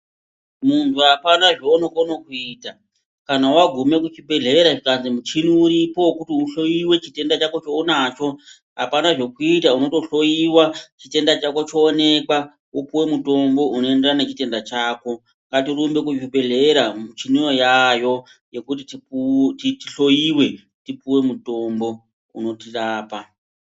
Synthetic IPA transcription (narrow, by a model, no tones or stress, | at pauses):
muntʰuapanaʐoonokonokuiːta | kanawaɡʱume̞kut͡ʃibʱe̞ɮe̞eɾaʐikanzimut͡ʃiniːɾipo̞wkutiuɬo̞jiwe̞t͡ʃite̞ndat͡ʃako̞t͡ʃounat͡ʃo̞ | ɦa̰panaʐo̞kuitauno̞to̞ɬo̞jiwat͡ʃite̞ndat͡ʃako̞t͡ʃoːne̞kwa | upuwe̞muto̞mbo̞ʔuno̞e̞nderanet͡ʃite̞ndat͡ʃaːko̞ | ŋɡatirumbe̞k̬uibʱe̞ɮe̞eɾamut͡ʃinujo̞jajo̞ | je̞kut̬itititiɬo̞jiwe̞ | tipuwe̞muto̞mbo̞ | ṵno̞tiraːpa